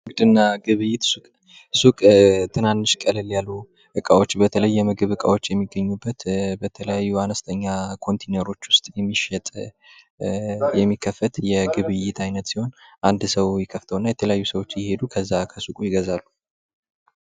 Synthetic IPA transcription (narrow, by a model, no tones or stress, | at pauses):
ɨŋɡɨd̪ɨnːaɡɨβɨjːɪt̪sukʼ | sukʼt̪ʰɨnanːɨʃkʼəlɨljalːu | ʔɨkʼawo̞t͡ʃːbət̪ʰələjːɛmɨɡɨβɨkʼa̰wo̞t͡ʃːjɛmːiɡːəɲːubːət̪bət̪ʰələjajːuanəst̪ʰəɲːakʰo̞nt̪ʰenəɾo̞t͡ʃːwʊst̪ʼjɛmːiʃɛt̪ʼ | jɛmːikʰːəfːət̪jɛɡɨβɨjːɪt̪ʰajnət̪siho̞nʔand̪səwjɪkʰːəft̪ʰəwɨnːajɛt̪ʰələjajːusəwo̞t͡ʃːjɪhe̞d̪ukʰəzːakʰəsukʼujɪɡəzalːu